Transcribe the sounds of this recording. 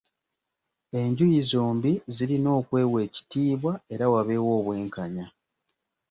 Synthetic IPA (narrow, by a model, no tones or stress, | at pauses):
e̞ɲɟujizoːmbiziɾino̞ːkwe̞ːwe̞ːci̥tiːβwae̞ɾawaβe̞wo̞ːβwe̞ːŋkaɲa